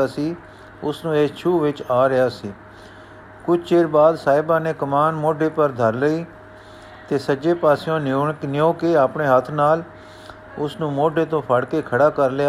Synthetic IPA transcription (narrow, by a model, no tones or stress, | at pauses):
aːsiː | ʊsnũːeːst͡ʃʰuːʋɪt͡ʃaːɾɪjaːsiː | kʊt͡ʃʰt͡ʃeːɾbaːd̪saːɪbãːneːkəmaːnmoːɖʱeːpəɾd̪ʱəɾləiː | t̪eːsəd͡ʒeːpaːsɪjõːnnɪjõːkeːaːpɳeːɦət̪ʰnaːl | ʊsnũːmoːɖʱeːt̪̬õːpʰəɽkeːkʰəɽaːkəɾlɪjaː